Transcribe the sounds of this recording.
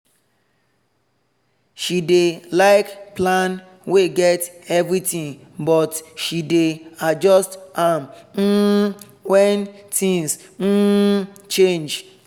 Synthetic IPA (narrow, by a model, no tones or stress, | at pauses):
ʃidelaɪkplan | weɡɛtɛvɾitĩŋ | bɔtʃidead͡ʒɔstam̩ | wɛntʰĩŋsn̩t͡ʃend͡ʒ